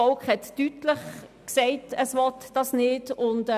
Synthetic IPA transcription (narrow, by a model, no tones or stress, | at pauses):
ɔlkχhɛtːytləχksɛɪtəsʋɔtd̥ɑsnɪdʊnd